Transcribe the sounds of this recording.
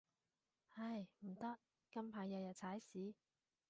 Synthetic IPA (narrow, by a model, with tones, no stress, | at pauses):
hɐ˧jm̩˨˩t̪ɐ˥k̚ | kɐ˥mpʰaː˨˧jːɐ˨˧jɐ˨t̚t͡sʰaː˨˥jsiː˨˥